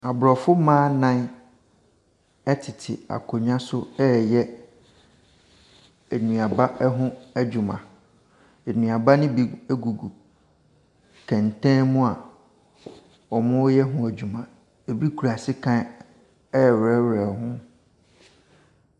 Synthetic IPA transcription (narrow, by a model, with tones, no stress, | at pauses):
a˨bɾɔ˨fʊ˦mãː˦nã˦n˦ | ɛ˦tʰɪ˨tʰɪ̰˨a̰˨kʰo˨ɲ˦ã˦sʊ˦ɛ˦jɛ˦˨ | nũ˨a˨ba˦ɦʊ̃˦æ˦d͡ʑᶣu˨mã̰˨ | e˨nũ˨a˨ba˦nɪ̃˦bi˨ɛ˦ɡu˨ɡu˨ | kʰɛ̃˨ntɛ̃˦mũ˦a˨ | ɔ˨mʊ̃˦wjɛ˦ɦʊ̃˦æ˨d͡ʑᶣu˨mã˨ | e˨bi˦kʰu˨ɾa˨sɪ˦kʰã˦ | ɛ˦˨wɛ˦wɛ˨hʊ̃˦